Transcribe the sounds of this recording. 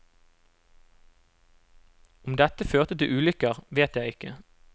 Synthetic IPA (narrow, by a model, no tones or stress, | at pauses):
ʊmd̪ɛt̪əføːʁt̪ət̪ɪʔʉːlʏkəʁʋeːt̪jæɪɪkə